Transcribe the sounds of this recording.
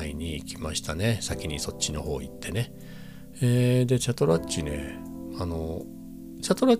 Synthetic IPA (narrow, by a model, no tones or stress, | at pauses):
iɲ̟iːkʲima̰ɕi̥t̪ane̞sakʲiɲ̟iso̞tt͡ɕːino̞̰ho̞̰ːit̪ːe̞ne̞ | eːd̪e̞t͡ɕat̪o̞ɾat͡ɕine̞̰ | ano̞ | t͡ɕat̪o̞ɾa